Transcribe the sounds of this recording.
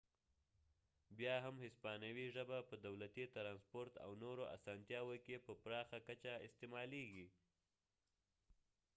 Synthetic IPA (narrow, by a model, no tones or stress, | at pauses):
bjɑɦamhɪspɑnawiʒəbapəd̪awlat̪it̪ɾɑnspoɾt̪a̰wnoɾoʔa̰sɑnt̪jɑwokepəpɾɑxakat͡ʃaɪst̪emɑleɡi